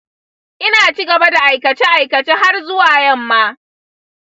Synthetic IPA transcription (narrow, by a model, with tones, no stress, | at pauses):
ʔɪ˦naː˨t͡ʃi˦ɡɐ˨ba˦da˨ʔa˨jkɐ˨t͡ʃeː˦ʔa˨jkɐ˨t͡ʃeː˦ha˦rzʊ˦waː˨jɐ˦mːaː˦